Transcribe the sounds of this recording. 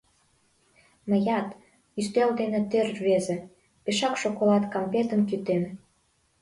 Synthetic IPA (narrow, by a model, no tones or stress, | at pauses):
məjɑt̪ | yst̪eld̪enĕt̪ørβezĕ | peʃɑkʃokolɑt̪kɑmpet̪ə̆nkyt̪en